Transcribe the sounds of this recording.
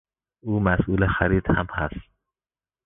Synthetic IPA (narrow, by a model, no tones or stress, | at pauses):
uːmæsʔuːlexæɾiːd̪hæmhæ̰st̪̚